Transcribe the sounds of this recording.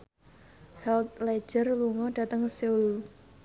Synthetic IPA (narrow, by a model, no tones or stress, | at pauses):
hɛlt̪̚lɛ̥d͡ʒ̥ərluŋɔɖ̥ä̤t̪əŋseul